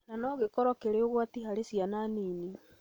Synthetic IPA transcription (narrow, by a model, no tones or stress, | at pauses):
nanɔɣekɔɾɔkeɾeoɣwatiɦaɾesiananini